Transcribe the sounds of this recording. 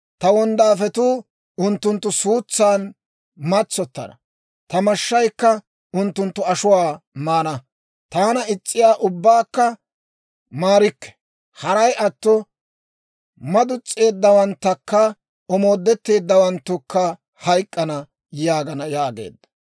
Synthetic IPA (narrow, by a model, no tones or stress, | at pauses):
t̪ɐwɔnd̪aːfɛt̪uː | ʊnt̪ːʊnt̪ːʊsuːt͡sːaːn | mɐt͡sːɔt̪ːɐ̰nɐ̰ | t̪ɐmɐʃːɐjkːɐ | ʊnt̪ːʊnt̪ːʊɐʃʊwaːmaːnɐ | t̪aːnɐɪt͡sʼːɪjaːʔʊbːaːkːɐ | maːɾɪkːɛ̥ | hɐɾɐjʔɐt̪ːɔ | mɐd̪ʊt͡sʼːe̞ːd̪ːɐwɐnt̪ːɐkːɐ | ɔmo̞ːd̪ːɛt̪ːe̞ːd̪ːɐwɐnt̪ːʊkːɐ | hɐjkʼːɐnɐ | jaːɡɐnɐjaːɡe̞̰ːd̪ːɐ̥